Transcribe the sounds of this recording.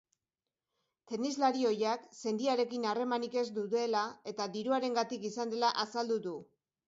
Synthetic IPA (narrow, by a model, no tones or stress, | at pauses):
t̪e̞nizlaɾio̞jakse̞nd̪iaɾe̞kinare̞manike̞zd̪uðe̞lae̞t̪ad̪iɾuaɾe̞ŋɡat̪ikisand̪e̞laʔasald̪uðu